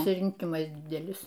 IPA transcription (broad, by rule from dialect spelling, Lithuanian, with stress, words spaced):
pɐsʲɪrʲɪŋʲˈkʲɪmɐs ˈdʲɪdʲɛlʲɪs